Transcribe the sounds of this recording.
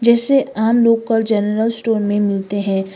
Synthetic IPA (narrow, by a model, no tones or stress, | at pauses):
d͡ʒɛːseaːmloːɡkɐɾd͡ʒɛnəɾəlsʈoːɾmẽmɪlt̪eɦɛ̃ː